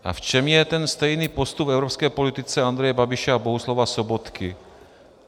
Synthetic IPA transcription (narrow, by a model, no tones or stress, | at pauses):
ʔa̰ft͡ʃɛmjɛt̪ɛnst̪ɛjniːpost̪ubvɛʊɾɔpskɛːpolit̪ɪt͡sɛand̪ɾɛjɛbabiʃɛaboɦuslɔvasobot̪kɪ